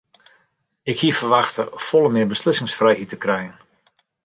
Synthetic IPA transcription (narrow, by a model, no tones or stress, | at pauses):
ɪkhiəfərʋaxtəfɔlˠəmɪəbəslɪsɪŋsfrɛjhitəkrɛjən